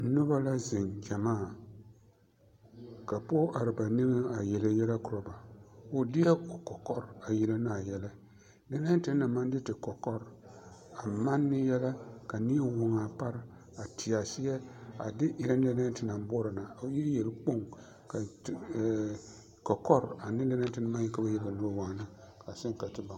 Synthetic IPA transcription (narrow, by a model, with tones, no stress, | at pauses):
nʊ˦ba˦la˦zɪ˨nd͡ʒa˨maː˦˨ | ka˨po˦ʔa˨ɾɪ˨ba˨nɪ˦bɪ˦a˨jɛ˨lɪ˦jɛ˦la˦kʊ˨ɾɔ˨ba˨ʊ˨dɪ˦ɛ˦ʊ˨kɔ˨kɔ˦ɾa˨ji˦la˦na˨jɛ˦la˦ | da˦na˦tɪ˨˦na˨ma˦n˦dɪ˦tɪ˨kɔ˨kɔ˦ɾa˨ma˦nːɪ˦jɛ˦la˦ka˨ni˦e˦wo˨ŋa˨pa˦ɾ | a˨tʰɪ˨a˨sɪ˦jɛ˦a̰˨dɪ˦ʔɪ˨ɾa˦n˦e˦na˦tɪ˨na˨m˦bo˦ɾa˨na˨o˨ji˦je˨lk͡po˦ŋ | ka˨ | kɔ˨kɔ˦ɾa˨nɪ˦le˦nɛ˦tɪ˦na˦ma˦ji˦ka˦ba˦je˦ba˨nu˦wa˨na˦kʰa˨sɪ˦ŋ˦ka˨tɪ˦ba˨